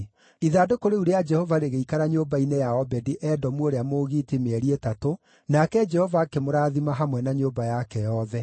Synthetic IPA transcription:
iðadokoɾeuɾead͡ʒɛhɔvaɾeɣeikaɾaɲoːbainejaɔbɛdiʔɛdɔmwoɾeamoɣiːtimeɛɾietato | nakɛd͡ʒɛhɔvakemoɾaːðimaɦamwɛnaɲoːbajakɛjɔðɛ

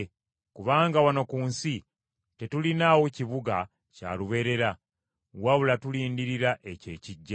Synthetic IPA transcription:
kuβaːŋɡawano̞kuːnsi | te̞tulinawociβuɡa | ca̰ːluβe̞ɾe̞ɾa | waβulatuliːndiɾiɾaʔe̞ce̞̰ːciɟːa

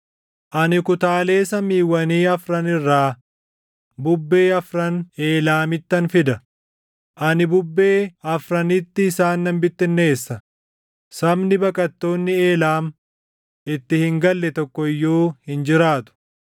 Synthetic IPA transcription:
ʔɐnɪkʊt̪aːle̞ːsɐmːiːwːɐniːɐfɾɐnɪrːaː | bʊbːe̞ːɐfɾɐne̞ːlaːmɪt̪ːɐnfɪd̪ɐ | ʔɐnɪbʊbːe̞ːɐfɾɐnɪt̪ːɪːsaːnːɐmbɪt̪ːɪnːe̞ːsːɐ | sɐbnɪbɐkʼɐt̪ːo̞ːnːɪeːlaːm | ɪt̪ːɪhɪŋɡɐlːɛt̪ɔkːɔɪjːoːhɪnd͡ʒɪɾaːt̪ʊ̥

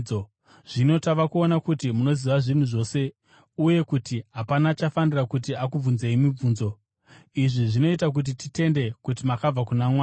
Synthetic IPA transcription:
o | ʐ̥ino̞taʋakuonakutimuno̞ziʋaʐin̤uʐo̞ːse̞ | uje̞kutiɦapanat͡ʃafanirakut̬iakub͡vunze̞imib͡vuːnzo̞ | iʐiʐino̞itak̬ut̬itite̞nde̞kutimakab͡vakunamwaː

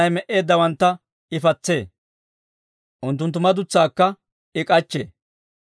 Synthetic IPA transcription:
ɐjmɛʔe̞ːd̪ːɐwɐnt̪ːɐ | ɪfɐt͡sːe̞ː | ʔʊnt̪ːʊnt̪̬ːʊmɐd̪ʊt͡sːaːkːɐ | ɪkʼɐt͡ʃːḛː

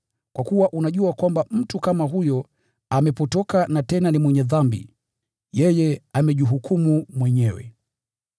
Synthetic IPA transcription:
kwakuwaʔunaʄuakwambam̩tukamaɦujɔ | amɛpɔtɔkanatɛnanimwɛɲɛðambḭ | jɛjɛamɛʄiɦukʰumumwɛɲɛwɛ̰

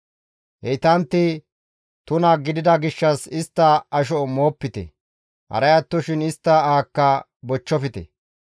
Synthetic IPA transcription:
hɛt̪ɐnt̪ːɪ | t̪ʊnɐɡɪd̪ɪd̪ɐɡɪʃːɐsɪst̪ːɐɐʃ̬ɔmo̞ːpːɪt̪ɛ̰ | hɐ̰ɾɐjɐt̪ːɔʃɪnɪst̪ːɐaːkːɐ | bɔt͡ʃːɔfɪt̪ɛ̰

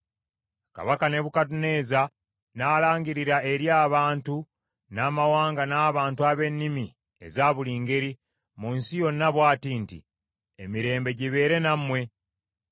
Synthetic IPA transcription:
ka̰βakane̞βukat̬une̞ːza | naːlaːŋɡiɾiɾae̞ɾjaːβaːntu | naːmawaːŋɡanaːβaːntuaβe̞nːimi | e̞̰zaːβuliːŋɡe̞ɾi | munsijo̞nːaβwaːtiːntḭ | emiɾe̞ːmbe̞ɟiβe̞ːɾe̞namːwe̞

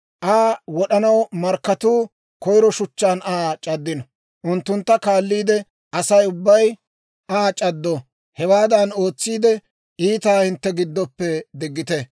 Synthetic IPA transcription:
ʔaːwɔɗɐnɐwmɐɾkːɐt̪uː | kɔjɾɔʃʊt͡ʃːaːnaːt͡ʃʼɐd̪ːɪnɔ | ʔʊnt̪ːʊnt̪ːɐkaːlːiːd̪ɛ | ʔɐsɐjʊbːɐj | ʔaːt͡ʃʼɐd̪ːo | hɛwaːd̪ɐno̞ːt͡sːiːd̪ɛ | ʔiːt̪aːhɪnt̪ːɛɡɪd̪ːɔpːɛd̪ɪɡːɪt̪ɛ

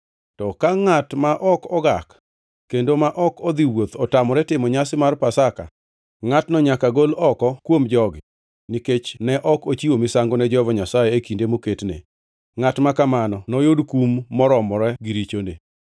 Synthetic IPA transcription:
tɔkaŋatmaʔɔkɔɡak | kːendomaʔɔkɔd̪iwot̪ɔtamɔɾɛtɪmɔɲasɪmarpasaka̰ | ŋatnɔɲakaɡolɔkɔkwomd͡ʒɔɡɪ | niket͡ʃnɛʔɔkot͡ʃiwomɪsaŋɡonɛd͡ʒɔvɔɲasajeekindemoketnḛ | ŋatmakamanɔnɔjodkumːɔɾɔmɔɾɛɡiɾit͡ʃonḛ

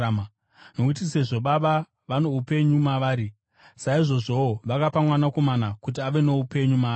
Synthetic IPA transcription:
m | nokut̬ise̞ʐo̞ɓaɓa | ʋano̞upe̞ɲumaʋaːɾi | saiʐo̞ʐo̞oʋakapamwanako̞manakut̬iaʋe̞ne̞upe̞ɲuma

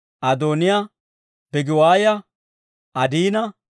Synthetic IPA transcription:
ʔɐd̪oːnɪja | b̥ɛɡɪwaːjɐ | ʔɐd̪iːnɐ

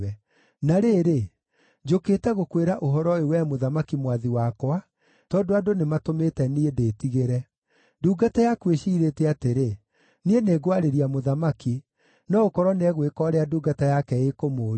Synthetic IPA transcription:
ɛ | naɾeːɾe | d͡ʒoketɛɣokweɾaʔoɦɔɾɔewɛmoðamakimwaðiwakwa | tɔːdoadonematometɛniedeːtiɣeɾɛ | duːɡatajakweʃiːɾetɛateɾe | nieneːɡwaɾeɾiamoðamaki | nɔokɔɾɔneɛɣwekɔɾeaduːɡatajakɛekomoː

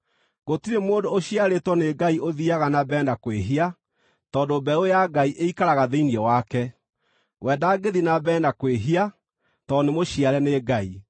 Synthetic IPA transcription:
ɣ̥otiɾemoːdoːɕiaɾetwɔneɡaiʔoðiaɣanabɛːndakweɦia | tɔːdobɛojaɡaiʔeikaɾaɣaðeiniɛwakɛ | wʔɛːdaːɡeðinabɛːndakweɦia | tɔnemoɕiaɾɛneɡai

